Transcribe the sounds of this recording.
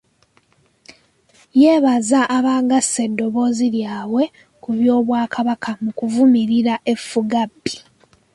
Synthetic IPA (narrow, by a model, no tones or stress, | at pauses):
je̞ːβazaʔːβaːɡase̞dːo̞βo̞ːziljaːwe̞ | kuβjo̞ːβwaːkʰaβakʰamukuvumiɾiɾaʔe̞fːuɡabːi̥